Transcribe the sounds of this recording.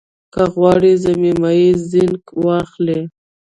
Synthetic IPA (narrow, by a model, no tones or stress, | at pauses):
kaɣwɑɽizamimaizɪŋkwɑxle